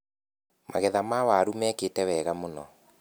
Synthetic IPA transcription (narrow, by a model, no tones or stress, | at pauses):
ma̰ɣɛðamawaɾumɛkeːtɛwɛɣamonɔ̰